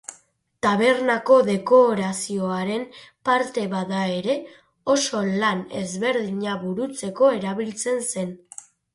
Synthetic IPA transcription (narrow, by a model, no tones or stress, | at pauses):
t̪aβ̞e̞ɾnako̞ðe̞ko̞ɾasio̞aɾe̞mpaɾt̪e̞βaðae̞ɾe̞ | o̞so̞lane̞̰zβe̞ɾðiɲaβuɾut͡se̞ko̞e̞ɾaβilt͡se̞nse̞n